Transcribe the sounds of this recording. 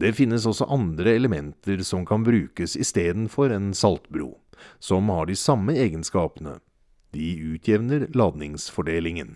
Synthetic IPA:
d̪̥ɛfɪnːəsɔsɔ̰ʔɑnd̪ɾəɛləmɛnt̪əɾsɔmkʰɑnbɾʉːkəsɪst̪eːd̪nfɔɾɛnsɑlt̪bɾṵː | sɔmhɑɖɪsɑmːəeːɡənskɑːpənə̰ | d̪ɪʉːt̪ʰjɛʋnəɾlɑːd̪nɪŋsfɔɖeːlɪŋən

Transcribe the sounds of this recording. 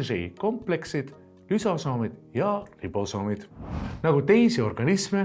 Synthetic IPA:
rḭko̞mple̞ksid̪̥ | lysɑsɑːmid̪̥jɑlib̥osɑːmid̪̥nɑɡ̥ut̪e̞jsio̞rɡ̥ɑnisme

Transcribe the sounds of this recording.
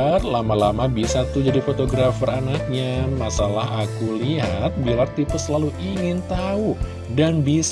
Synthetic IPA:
rlamalamabisat̪ud͡ʒadifot̪oɡɾafəranak̚ɲamasalaɦakuliɦat̪̚bilart̪ipʊssːəlaluʔiŋɪnt̪au | danbis

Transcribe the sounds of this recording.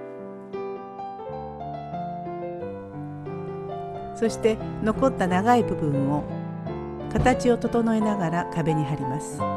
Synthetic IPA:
so̞ɕi̥t̪e̞no̞ko̞t̪ːanaɡaibɯ̟bɯ̟̃mːo̞ | kat̪at͡ɕio̞t̪o̞t̪o̞no̞e̞naɡaɾakabe̞ɲ̟iɦaɾʲimasɨ̥

